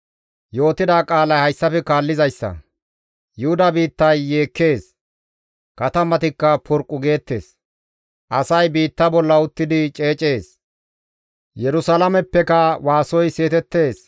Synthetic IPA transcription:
jo̞ːt̪ɪd̪aːkʼaːlɐjhɐjsːɐfɛkaːlːɪzɐjsːɐ̰ | jʊhʊd̪ɐbiːt̪ːɐjːeːkːe̞ːs | kɐt̪ɐmɐt̪ɪkːɐpʰɔɾkʼːʊɡe̞ːt̪ːe̞̰ːs | ʔɐsɐjbiːt̪ːɐbɔlːɐʊt̪ːɪd̪ɪt͡ʃʼe̞ːt͡ʃʼe̞ːs | jɛɾʊsɐlɐmɛpːɛkɐwaːsɔjse̞ːt̪ɛt̪ːe̞ːs

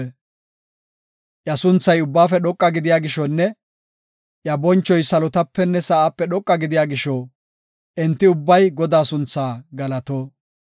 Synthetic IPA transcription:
ʔjɐsʊnt͡sːɐjʊbːaːfɛɗɔkʼːɐɡɪd̪ɪjaːɡɪʃɔnːɛ | ʔjɐbɔnt͡ʃːɔjsɐlɔt̪ɐpːɛnːɛsɐʔaːpːɛɗɔkʼːɐɡɪd̪ɪjaːɡɪʃɔ | ʔɛnt̪ːɪʊbːɐjɡɔd̪aːsʊnt͡sːaːɡɐlɐt̪oː

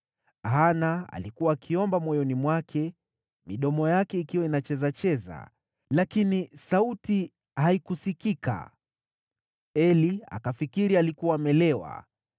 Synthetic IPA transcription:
aɦanaa̰likuwaːkʰiɔmbamwɔjɔnimwakʰɛ | miɗɔmɔjakɛikiwainat͡ʃɛzat͡ʃɛza̰ | lakinisauti | haikusikika̰ | ɛlia̰kafikiɾialikuwaːmɛlɛwa̰

